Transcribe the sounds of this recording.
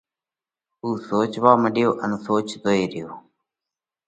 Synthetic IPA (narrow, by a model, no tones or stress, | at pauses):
uːsoːt͡ʃʋaːməɗɪjoːʔənsoːt͡ʃd̪oːeːɾɪjoː